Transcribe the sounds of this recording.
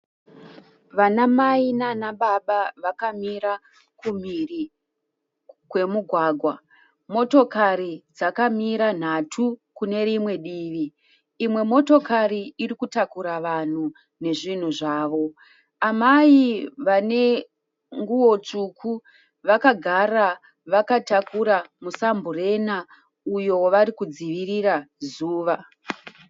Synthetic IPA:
ʋanamainanaɓaɓaʋakamiɾa | kum̤iri | kwe̞muɡʱwaːɡʱwa | mo̞to̞kaɾid͡zakamiɾan̤atʰukune̞ɾimwe̞ɗiːʋiː | mwe̞mo̞to̞kariiɾikutakuɾaʋan̤u | ne̞ʐin̤uʐaːʋo̞ | amaiʋane̞ | ŋɡuwo̞t͡ʂukʰu | ʋakaɡʱara | ʋakatakuɾamusambure̞na | ujo̞wʋaɾikud͡ziʋirirazuːʋa

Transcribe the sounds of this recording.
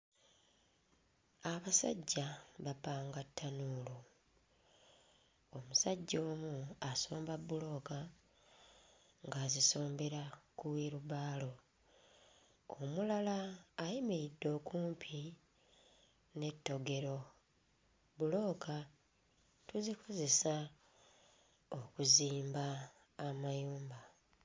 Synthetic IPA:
aβasa̰ɟːaβapaːŋɡatʰːanuːlo | omusaɟːo̞ːmuaso̞ːmbabːulo̞ːka | ŋɡaːziso̞ːmbe̞ɾakuwiɾuβaːlo̞ | omulalaːjimeidːo̞ːkuːmpʰi | ne̞tːo̞ɡe̞ɾo̞ | bulo̞ːka | tuzikʰo̞ze̞sa | okuziːmbaː | majuːmba

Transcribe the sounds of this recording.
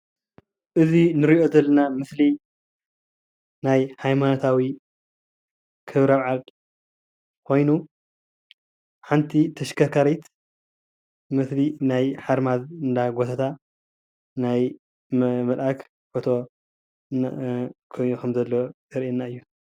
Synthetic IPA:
ʔɨzinɨɾiʔo̞d̪ɐlːɐnamɨsli | najhajmanot̪ʰawi | kʰɨβɾaβʕal | kʰo̞jnu | ħant̪ʰit̪ʰɐʃkʰɐkʰaɾit̪ | mɨslinajħaɾmazɨnd̪aɡot̪ʰat̪ʰa | naj | mɐlʔak | fot̪ʰo̞ | kʰojnukʰɐmzɐlːozɐɾʔinːaɨjːu

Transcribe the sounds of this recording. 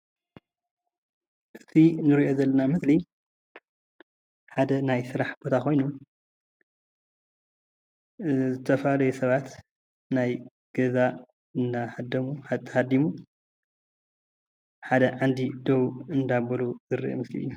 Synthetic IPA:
ʔɨt̪ʰinɨɾiʔo̞zɐlːɐnamɨsli | ħad̪ɐnajsɨɾaħb̥o̞t̪ʰakʰo̞jnu | zɨt̪ʰɐfalɐjusɐβat̪ | naj | ɡ̥ɐza | ɨndahad̪ːɐmuħat̪ʰːɐhad̪imu | ħad̪ɐʕand̪id̪ɐwuɨnd̪abɐluzɨɾḭʔo̰mɨslḭju

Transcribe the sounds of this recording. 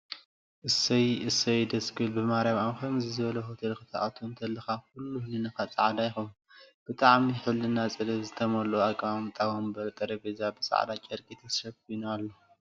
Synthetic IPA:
ʔɨsɐjɨsɐjd̪ɐskʰilbɨmaɾjaβamkɐmzɨzɨβɐlɐɦot̪ʰɐlkɨt̪ʰaʔat̪ʰont̪ʰɐlːɨxakulːuhlɨnɨxat͡sʼaʕd̪ajxom | b̥ɨt̪ʼaʕmiħulɨnat͡sʼɨlɐβzɨt̪ʰɐmɐlːowakʼβamt̪ʼawɐmbɐɾt̪ʼɐɾɐbezabɨsʼa̰ʕ̰d̪at͡ʃʼɐɾkʼit̪ʰɐsʃɐbk̚ʰujnalːo

